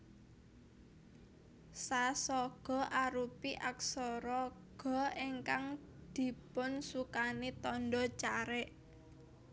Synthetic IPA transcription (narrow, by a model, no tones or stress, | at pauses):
sasɔɡ̥ɔ̤ʔaɾupiʔaksɔɾɔɡ̥ɔ̤iŋkaŋ | d̪̥i̤pʊnsukanit̪ɔnɖɔt͡ʃaɾɛʔ